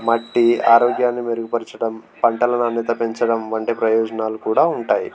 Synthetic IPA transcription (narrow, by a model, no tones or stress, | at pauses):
mɐʈːiaːɾɔːɡjaːnːimeɾuɡupɐɾt͡ʃɐɽɐmpɐɳʈɐlɐnɐnːit̪ɐpe̞ɲt͡ʃɐɽɐmʋɐɳʈipɾɐjɔːd͡ʒɐnaːlukuːɽaːuɳʈaːji